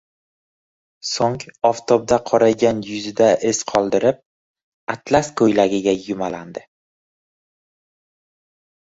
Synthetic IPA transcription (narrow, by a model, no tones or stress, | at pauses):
soŋɒft̪ʰɒb̚d̪aqʰɒɾaɡʲanjʊzɪd̪aʔɪsqʰɒlˠd̪ɪɾɪp̚ | at̪laskʰɵjlaɡʲɪɡʲajʊmaland̪ɪ